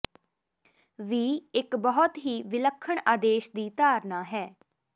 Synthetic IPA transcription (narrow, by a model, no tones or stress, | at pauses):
ʋiːɪkbəɦʊt̪ɦiːʋɪləkʰːəɳaːd̪eːʃd̪iːt̪aːɾnaːɦɛː